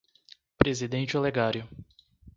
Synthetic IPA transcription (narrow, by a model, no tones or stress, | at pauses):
pɾezid̪ẽnt͡ʃɪoleɡaɾjʊ